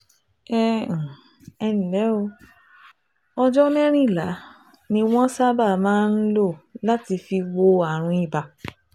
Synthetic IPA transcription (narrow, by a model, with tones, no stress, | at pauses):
ɛ˦˨ | ɛ˧nĩ˨lɛ˨˦o˧ | ɔ˧d͡ʒɔ˦mɛ̃˦ɾ̃ĩ˦˨la˨˦ | nĩ˧w̃ɔ̃˦sa˦ba˦˨mãː˦n̩˦lo˦˨la˦ti˧fi˧wo˧a˨ɾ̃ũ˧i˦˨ba˧